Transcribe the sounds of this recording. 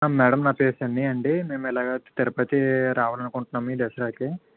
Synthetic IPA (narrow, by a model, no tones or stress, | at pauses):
mɛːɽɐmnɐpeːsɐɳɖiɐɳɖime̞ːmɛlaːɡaːt̪ɛɾɐpɐt̪iɾaːʋaːlɐnukuɳʈunːaːmuiːɖ̪ɛsɐɾaːki